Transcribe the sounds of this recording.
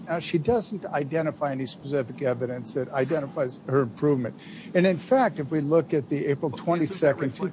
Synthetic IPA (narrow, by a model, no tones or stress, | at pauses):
ʃidʌzn̩ta̰ɪdɛ̃ɾ̃ɨfaɪɛnispəsɪfɨkɛvɨɾɨ̃nsðɨɾaɪdɛ̃ɾ̃əfaɪz̥hə˞ɨ̃mpʰɹ̥uvmɨ̰̃nt | ɨ̃nɨ̃nfæk̚tɨfwilʊkɨt̪̚ðieɪpɹl̩ˠtʰw̥ɛ̃ñisɛkɨ̃ntʰ